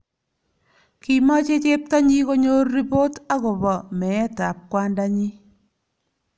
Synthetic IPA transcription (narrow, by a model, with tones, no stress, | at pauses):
ki˨mɔ˦t͡ʃe˦t͡ʃe˦p̚ta˦ɲi˦ko˦ɲo˦rːi˦po˦ta˦kɔ˨bɔ˨mɛ˨ɛ˦ta̰˨p̚kwa˦nda˦ɲi˦